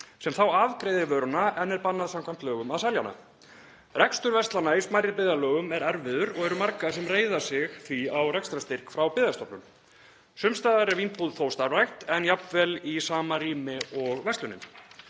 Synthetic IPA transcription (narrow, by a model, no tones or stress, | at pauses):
sɛmθawavkɾeːjðɪvœːɾnaɛnːɛɾpanːaðsamkʰvam̥t̪lœːɣʏmaðsajljana̰ | rɛkst̪ʏɾvɛst̪lanaismajɾɪɾpɪːðalœːɣʏmɛɾɛɾvɪðʏɾɔɣɛɾʏmaɾkasɛmreːjðḁsɪɣθviawrɛkst̪ɾast̪ɪr̥kfɾawpɪːðast̪ɔpnʏm | sʏmst̪aːðaɾɛɾvinpuðθowst̪aɾvajxt̪ɛnjapnvɛlisaːmariːmɪɔɣvɛst̪lʏnɪ̰m